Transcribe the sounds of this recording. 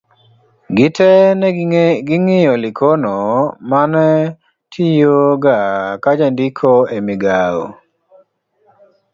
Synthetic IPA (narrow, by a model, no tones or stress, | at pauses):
ɡɪtɛ | ɡɪŋɪjɔlɪkʰonɔmanɛ | tʰijoɡakad͡ʒandikʰoemɪɡao̰